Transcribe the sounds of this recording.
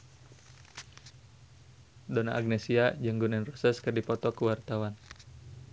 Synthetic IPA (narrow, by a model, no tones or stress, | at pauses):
dɔnaʔaɡ̚nɛsiad͡ʒəŋɡunɛnrɔsɛskɨrdipɔt̪ɔkuwart̪awan